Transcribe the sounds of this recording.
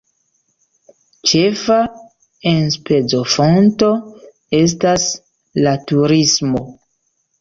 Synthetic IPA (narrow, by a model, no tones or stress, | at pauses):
t͡ʃe̞fa | enspe̞d͡zo̞fo̞nto̞ | e̞s̬tas | latuɾismo̞